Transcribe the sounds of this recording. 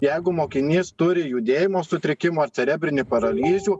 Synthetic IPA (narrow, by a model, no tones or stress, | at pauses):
jɛɪɡʊmoːkʲɪnʲiːst̪ʊɾʲɪjʊd̪ʲeːjɪmoːsʊt̪ʲɾʲɪkʲɪmoːɐɾt̪ʲɛɾʲɛbʲɾʲɪnʲɪpɐɾɐlʲiːzʲuː